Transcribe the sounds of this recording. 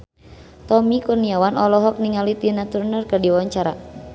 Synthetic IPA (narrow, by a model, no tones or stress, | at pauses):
t̪ɔmikuniawanɔlɔɦɔk̚niŋalit̪inat̪urnərkərdiwaɲt͡ʃaɾa